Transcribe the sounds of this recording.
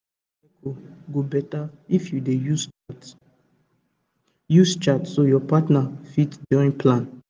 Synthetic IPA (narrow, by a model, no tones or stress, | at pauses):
ekʰoɡobɛtaifjudejus | just͡ʃatsojɔpatnafitduɹĩnpʰlãn